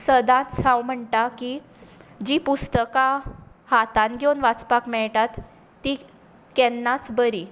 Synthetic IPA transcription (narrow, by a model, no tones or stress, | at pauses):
səd̪ãt̪sãwm̤əɳʈ̪aki | d͡ʑipust̪əkahat̪ãnɡʱjewnʋat͡spakmɛɭʈat̪ː | i | kɛnːat͡sbəɾi